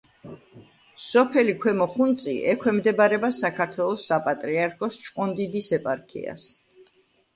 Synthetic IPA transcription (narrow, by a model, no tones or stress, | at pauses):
sɔpʰɛlikʰwɛmɔχunt̪sʼḭʔɛkʰwɛmd̪ɛbaɾɛbasakʰaɾt̪ʰwɛlˠɔsːapʼat̪ʼɾiaɾkʰɔst͡ʃʼqʼɔnd̪id̪isɛpʼaɾkʰḭa̰s